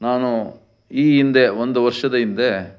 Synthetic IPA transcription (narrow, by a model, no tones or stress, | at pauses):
naːnu | iːind̪eʋond̪uʋɐɾʂɐd̪ɐind̪e